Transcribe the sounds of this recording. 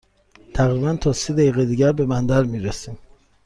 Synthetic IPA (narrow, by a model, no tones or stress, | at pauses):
t̪ʰæɣɾiːbænt̪ʰɒːsid̪æjiːɣed̪iːɟæɾbe̞mænd̪æɾmiːɾesiːm